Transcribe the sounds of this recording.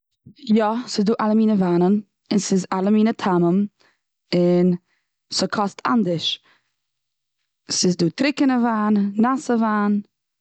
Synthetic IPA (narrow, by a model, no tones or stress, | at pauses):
jɔsɪzduːʔalˠəmiːnəvaːnən | ɪnsɪzalˠəmiːnətʰaməm | ɪn | sɔkʰɔstʰa̰ndɪʃ | sɪzduːtʰɾɪkənəvaːnːasəvaːn